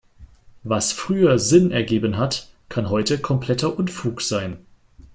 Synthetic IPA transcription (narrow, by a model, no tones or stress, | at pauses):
vasfʁ̥yːɐzɪnɛɐɡeːbənɦatkʰanɦɔʏtəkʰɔmpʰl̥ɛtʰɐʔʊnfuːkz̥aɪn